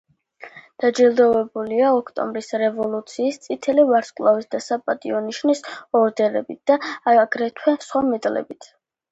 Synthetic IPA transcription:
d̪̥ad͡ʒilˠd̪ɔvɛbuliaɔkʰt̪ʼɔ̰mbɾisɾɛvɔlˠut̪sʰiːst̪sʼit̪ʰɛlivaɾskʼlˠavisd̪asapʼat̪ʼiɔniʃnisɔɾd̪ɛɾɛ̰bit̪̚d̪̥aɡɾɛt̪ʰwɛsχwamɛt̪ʼlɛ̰bit̪ʰ

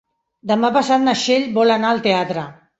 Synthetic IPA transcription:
d̪əmapasat̪̚naʃeʎbɔlanalˠt̪eat̪ɾə

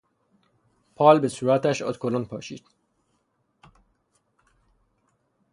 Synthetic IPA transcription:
pʰɒːlbesuːɾæt̪æʃɒ̰t̪kʰolonpʰɒ̰ːʃḭːd̪̥

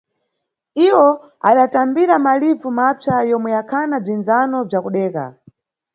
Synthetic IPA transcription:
iwɔ | aɗatambiɾamalib͡vumapʰajɔmwɛjakʰanab͡ʐinzanɔb͡ʐakuɗɛːka̰

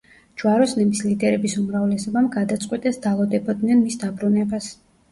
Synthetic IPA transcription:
d͡ʒwaɾɔsnɛbislid̪ɛɾɛbisumɾavlɛsɔbamɡad̪at̪sʼqʼwit̪ʼɛsd̪alˠɔd̪ɛbɔd̪nɛnmisd̪abɾunɛbas

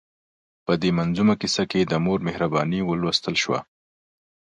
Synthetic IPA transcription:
pəd̪emanzumakisaked̪əmoɾmɪhɾabɑniwəlwast̪əlʃwa̰

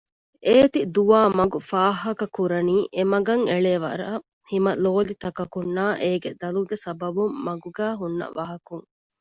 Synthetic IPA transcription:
ʔeːt̪id̪uʋaːmɐɡufaːɦɐkɐkuɾɐniːʔemɐɡɐŋeɭeːʋɐ̰ɾaː | himɐloːlit̪ɐkɐkunːaːʔeːɡed̪ɐluɡesɐbɐbumːɐɡuɡæːɦunːɐ̰ʋɐɦɐkuŋ

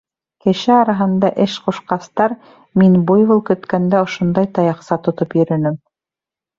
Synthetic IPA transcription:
kɘ̆ʃɘɑɾɑɦɤ̆nd̪ɑʔɘʃqŭʃqɑst̪ɑɾ | minbujβulˠkɵ̆t̪kænd̪æŏʃŏnd̪ɑjt̪ɑjɑqsɑt̪ŏt̪opjɵ̆ɾɘ̆nɘm

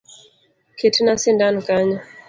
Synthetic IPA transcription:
kʰetinasindankaɲɔ

